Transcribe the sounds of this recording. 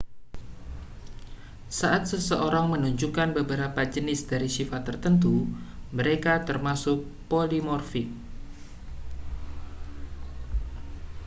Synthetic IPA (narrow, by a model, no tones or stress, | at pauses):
saʔat̪̚səsəʔoɾaŋmənuɲd͡ʒukanbəbəɾapad͡ʒənɪsd̥aɾisifat̪ərt̪ənt̪uməɾekat̪ərmasʊk̚polimɔrfɪk̚